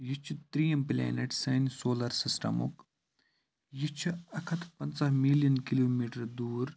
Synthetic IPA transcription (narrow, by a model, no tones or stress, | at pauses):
jit͡ʃʰut̪ɾijɐmplʲɛ̰ːneʈsɐnsoːlɐɾsisʈɐ̰mṵk | jit͡ʃʰuɐkʰɐt̪ʰpɐnsɐɦmiljɐnkiloːmiːʈɐɾd̪uːɾ